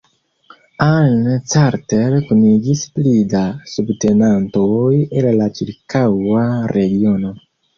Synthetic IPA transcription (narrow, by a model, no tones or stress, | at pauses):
alt͡saɾtelkuniɡisplidasubte̞nantoje̞lːat͡ʃiɾkawaɾe̞ɡio̞no̞